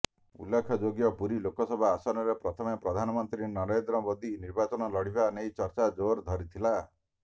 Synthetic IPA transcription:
ṵlːekʰɔd͡ʒoɡjɔpuɾilokɔsɔbʱaːsɔɾɔɾepɾɔt̪ʰɔmepɾɔd̪ʱanɔmɔnt̪ɾinɔɾend̪ɾɔmod̪ʱiniɾbat͡ʃɔnɔlɔɽ̤ibanejt͡ʃɔɾt͡ʃad͡ʒoɾd̪ʱɔɾit̪ʰila

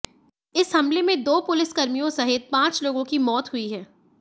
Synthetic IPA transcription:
ɪshɐmlemẽd̪oːpʊlɪskɐɾmijõsɐɦɪt̪̚pãːt͡ʃloːɡõkimɔːt̪ɦʊiɦɛː

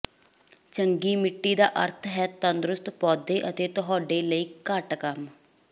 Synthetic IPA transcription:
t͡ʃəŋɡiːmɪʈːiːd̪aːʔə̰ɾt̪ʰɦɛːt̪ənd̪ɾʊst̪pɔːd̪eːʔət̪eːt̪ʊɦaːɖeːləiːkəʈkəm

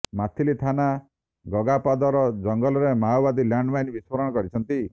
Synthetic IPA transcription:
mat̪ʰilit̪ʰana | ɡɔɡapad̪ɔɾɔd͡ʒɔŋɡɔlɔɾemawbad̪ilaɳɖbajnbiswɔɾɔɽɔkɔɾit͡ʃʰɔnt̪i

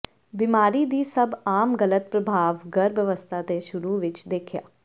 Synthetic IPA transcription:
bimaːɾiːd̪iːsəbaːmɡələt̪̚pɾəbʱaːʋɡəɾbjəʋəst̪ʰat̪eʃʊɾuːʋɪt͡ʃd̪eːkʰja̰ː

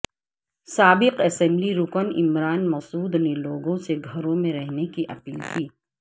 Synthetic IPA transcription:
saːbɪqɐsɛ̃mbliɾʊkənɪ̰mɾaːnmɐsuːd̪neloːɡõseɡʱɐɾõmẽɾɛɦnekiʔɐ̰piːlt̪ʰiː

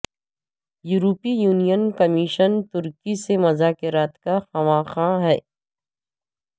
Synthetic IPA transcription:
juːɾoːpijuːnijənkɐmiʃənt̪ʊɾkisemɐzaːkɪɾaːt̪kaxɐʋaːxãːɦɛː

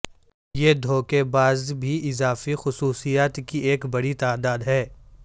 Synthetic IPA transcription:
jeːd̪ʱoːkebaːzbʱiʔɪzaːfixʊsuːsijaːt̪kieːkbɐɽit̪aːd̪aːd̪ɦɛː

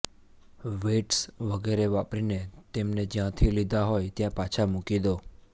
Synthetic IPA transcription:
ʋeʈsʋəɡeɾeʋapɾinet̪emned͡ʒjãt̪ʰilid̪aɦojt̪jãpat͡ʃʰamukid̪o

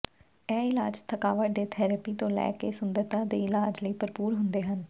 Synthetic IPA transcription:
ɛːɪlaːd͡ʒt̪ʰəkaːʋəʈd̪eːt̪ʰɛːɾəpiːt̪õːlɛ̰ːkeːsʊnd̪əɾt̪ãːd̪eːɪlaːd͡ʒləiːpəɾpuːɾɦʊnd̪eːɦən

